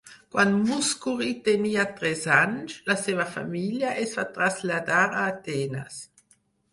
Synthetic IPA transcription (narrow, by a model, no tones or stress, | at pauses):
kwanmuskuʁit̪eniat̪ɾɛzant͡ʃlasevafa̰miljaʔɛsfat̪ɾazlad̪aɾaːt̪ɛna̰s